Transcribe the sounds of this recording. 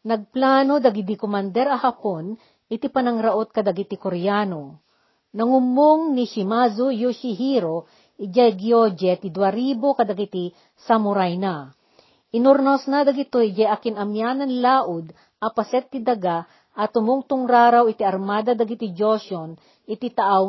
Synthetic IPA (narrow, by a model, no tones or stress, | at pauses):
nɐɡ̚plaːnod̪ɐɡɪd̪ikomand̪ɛɾɐhɐpon | ʔɪt̪ipɐnɐŋɾɐʔot̪̚kɐd̪ɐɡit̪ikoɾjaːno | nɐŋʊmoŋniʃɪmazojuʃiɦiɾo | ʔɪd͡ʒajɡjod͡ʒɛt̪ɪd̪waɾiːbokɐd̪ɐɡit̪i | sɐmʊɾajna | ʔɪnʊɾnosnɐd̪ɐɡɪt̪oʔd͡ʒajɐkɪnɐmjaːnɐnlaːʔʊd̪ | ʔɐpɐsɛt̪̚ːid̪ɐɡa | ʔɐt̪ʊmoŋt̪ʊŋɾaːɾawɪt̪iɐɾmaːd̪ɐd̪ɐɡit̪id͡ʒoʃon | ʔɪt̪it̪ɐʔaw